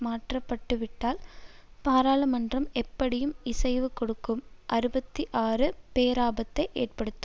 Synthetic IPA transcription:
maːʈrɐpːɐʈːɯʋɪʈːaːlpaːɾaːlɐmɐndrɐmɛpːɐɽɪjɯmɪsɐɪʋɯkɔɽɯkːɯmʔɐɾɯbɐt̪ːiʔaːrɯpeːɾaːbɐt̪ːɐɪʔeːrpɐɽɯt̪ːɯ

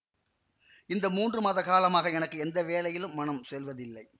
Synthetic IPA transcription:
ɪnd̪ɐmuːndrɯmaːðɐkaːlɐmaːɣɐɛnɐkːɯɛnd̪ɐʋeːlɐjɪlɯmːɐnɐmsɛlʋɐðɪlːɐɪ

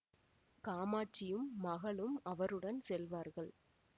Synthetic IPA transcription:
kaːmaːʈt͡ʃɪjɯmːɐɣɐɭɯmɐʋɐɾɯɽɐnsɛlʋaːɾɣɐɭ

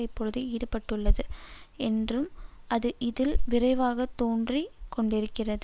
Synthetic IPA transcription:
ɐɪpːɔɻɯðɯiːɽɯpːɐʈːɯɭːɐðɯɛndrɯmɐðɯʔɪðɪlʋɪrɐɪʋaːɣɐt̪oːndrikɔɳɖɪɾɯkːɪrɐðɯ

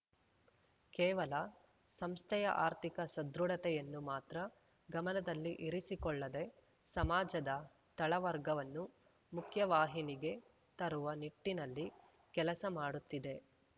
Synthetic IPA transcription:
kɛːʋɐlɐ | sɐmst̪ʰɛjɐ̰ʔaːɾt̪ʰikɐsɐd̪ɾuɽɐt̪ɛjɐnːumaːt̪ɾɐ | ɡɐmɐnɐd̪ɐlːiʔiɾisikɔɭːɐd̪e̞ | sɐmaːd͡ʒɐd̪ɐ | t̪ɐɭɐʋɐɾɡɐʋɐnːu | mukʰjɐʋaːɦiniɡe̞ | t̪ɐɾuʋɐniʈːinɐlːi | kɛlɐsɐmaːɽut̪ːid̪e̞

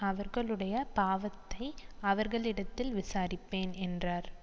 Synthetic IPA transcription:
ɐʋɐɾɣɐɭɯɽɐjɐpaːʋɐt̪ːɐɪɐʋɐɾɣɐɭɪɽɐt̪ːɪlʋɪsaːɾɪpːeːnɛndraːɾ

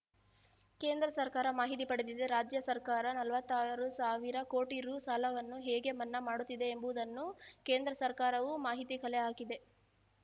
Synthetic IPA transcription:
ke̞ːnd̪ɾɐsɐɾkaːɾɐmaːɦit̪̬ipɐɽed̪id̪eɾaːd͡ʒjɐsɐɾkaːɾɐnɐlʋɐt̪ːaːɾɐɾusaːʋiɾɐko̞ːʈiɾuːsaːlɐʋɐnːuɦeːɡe̞mɐnːɐmaːɽut̪ːid̪e̞ːmbuʋd̪ɐnːuke̞ːnd̪ɾɐsɐɾkaːɾɐʋumaːɦit̪ikɐleaːkid̪e̞

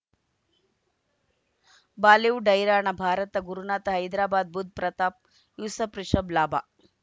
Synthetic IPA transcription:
baːliwɖɐjɾaːɳɐbʱaːɾɐt̪ɐɡuɾunaːt̪ɐɦɐjd̪ɾaːbaːd̪̚bud̪̚ʱpɾɐt̪aːp̚ | jusɐpɾiʂɐblaːbʱa̰ː

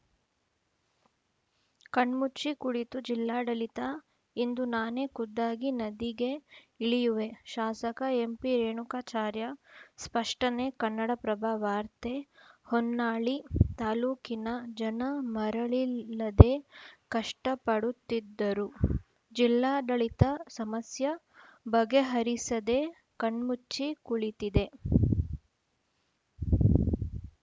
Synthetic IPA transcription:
kɐɳɖmut͡ʃikuɽit̪ud͡ʒilːaːɖɐlit̪aː | ind̪unaːne̞kud̪ːaːɡinɐd̪iɡe | iɭijuʋe̞ʃaːsɐkɐempiɾeːɳukaːt͡ʃaːɾjɐspɐʂʈɐneːkɐnːɐɽɐpɾɐbʱaːʋaːɾt̪ehɔnːaːɭit̪aːluːkinɐd͡ʒɐnɐmɐɾɐɭilːɐd̪e̞kɐʂʈɐpɐɽut̪ːid̪ːɐɾu | d͡ʒilːaːd̪ɐɭit̪ɐsɐmɐsjɐ | bɐɡeɦɐɾisɐd̪e | kɐɳmut͡ʃːikuɭit̪id̪e̞

